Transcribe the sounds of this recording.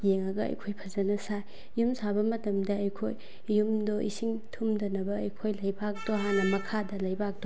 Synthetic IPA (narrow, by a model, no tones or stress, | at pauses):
jeŋɐɡɐɐ̰jkʰojpʰɐzɐnɐsaj | jumsabɐmɐtɐmdɐːjkʰoj | jumdoʔisiŋtʰumdɐnɐbɐɐjkʰojlɐjbak̚doɦanɐmɐkʰadɐlɐjbak̚d̥o